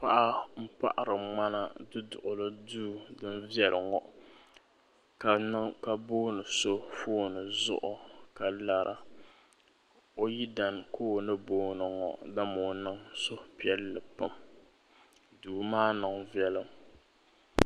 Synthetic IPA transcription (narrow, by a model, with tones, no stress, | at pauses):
pa˦ʔa˦m̩˦pa̰˦ʔa˨ɾɨ˨ŋ͡ma˦na˨dɨ˦dʊ˨ʔʊ˨lɨ˦duː˦dɨ˦nvjɛ˦lʔɨ˨ŋɔ˨ʔ | ka˨nɨ˦ŋka˦boː˦nɨ˨so˦foː˦nɨ˨zʊ̰˦ʔʊ˨ka˨la˦ɾʔa̰˨ | o˦ji˦da˨nkʰoː˦nɨ˦boː˦nɨ˨ŋɔ̰˨ʔda˦mo˨nɨ˦ŋso˦pi˨˦ɛ˦lːɨ˨pɨ˦m | duː˨˦maː˦nɨ˨ŋvjɛ˦lɨ˦m